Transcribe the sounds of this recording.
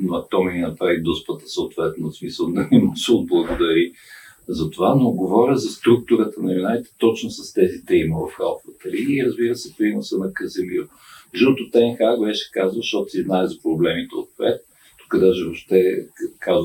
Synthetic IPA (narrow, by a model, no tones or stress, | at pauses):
noɐt̪ɔminɐpɾavid̪ɔspət̪ə̥səot̪vɛt̪nosmisəlˠd̪ɐnimɔsɛod̪̚blˠəɡod̪ɐɾi | zɐt̪ovanoɡovɔɾʲəzɐst̪ɾuk̚t̪ʊɾət̪ənɐjunalit̪ɛ̥t̪ɔt͡ʃnosɐst̪ɛzit̪ɛiməvɐfxa̰lˠfvət̪əliːɾəzbiɾəsɛpɾinosənɐkəzɛlio | ʒult̪ʊt̪ɛnxaɡbɛʃɛ̥kazəlˠʃt̪ɔt̪ʊ̥siznaɛzɐpɾoblɛmit̪ɛo̰t̪̚pɛ̰t̪̚ | t̪u̥kəd̪aʒɛvoʃt̪ɛkaz